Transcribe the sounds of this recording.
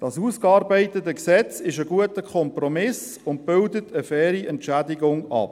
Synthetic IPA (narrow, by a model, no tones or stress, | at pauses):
d̥ɑsuːskɑːɾbaɪtətəksɛt͡sɪʃəɡuətəkʰχɔmprɔmɪs | ʊnt̚b̥ʏldətʰəfɛːɾiʔɛntʃædɪɡʊŋɑ̰p